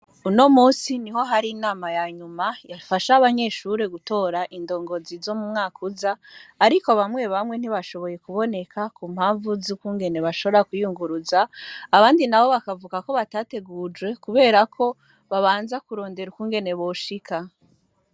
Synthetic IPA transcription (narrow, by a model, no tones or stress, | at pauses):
uno̞muːsiniɦo̞ɦaɾinaːmajaɲumajafaʃaːβaɲe̞ʃuɾe̞ɡuto̞ːɾaʔindo̞ːŋɡo̞zizo̞mumŋaːkʰuzaːɾikoβamwe̞βamŋe̞n̥iβaʃo̞βo̞je̞kuβo̞ne̞kʰakum̥haːɱvuzukuːŋɡe̞ne̞βaʃo̞βo̞ɾakujuŋɡuɾuzaːβaːndinaβo̞βakavukako̞βataːte̞ɡuːd͡ʒwe̞kuβe̞ːɾakʰo̞ | βaβaːnzakuɾo̞ːnde̞ɾukuːŋɡe̞ne̞βo̞ʃika